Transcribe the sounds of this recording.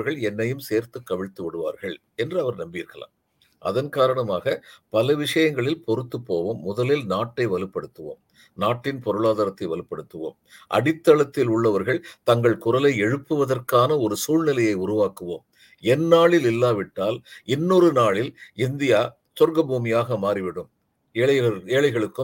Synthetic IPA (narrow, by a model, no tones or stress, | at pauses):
ɾɣɐɭɛnːɐjɯmseːɾt̪ɯkːɐʋɪɻt̪ːɯʋɪɽɯʋa̰ːɾɣɐɭ | ɛndrɯɐʋɐɾnɐmbiːɾɣɐɭa̰ːm | ʔɐ̰ðɐnkaːɾɐɳɐmaːɣɐpɐlɐʋɪʂɐjɐŋɡɐɭɪlpɔɾɯt̪ːɯpːoːʋomːʊðɐlɪlnaːʈːɐɪʋɐlɯpːɐɽɯt̪ːɯʋo̰ːm | naːʈːɪnpɔɾɯɭaːðaːɾɐt̪ːɐɪʋɐlɯpːɐɽɯt̪ːɯʋo̰ːmʔɐ̰ɽɪt̪ːɐɭɐt̪ːɪlʊɭːɐʋɐɾɣɐɭt̪ɐŋɡɐɭkʊrɐlɐɪɛɻɯpːɯʋɐðɐrkaːnɐɔɾɯsuːɻnɪlɐjɐɪʊɾʊʋaːkɯʋo̰ːm | ɛnːaːɭɪlɪlːaːʋɪʈːaːlɪnːɔɾɯnaːɭɪlɪnd̪ɪjaː | sɔɾɡɐbuːmɪjaːɣɐmaːɾiʋɪɽɯm | eːɭɐɐeːɭɐɪɣɐɭɯkːɯ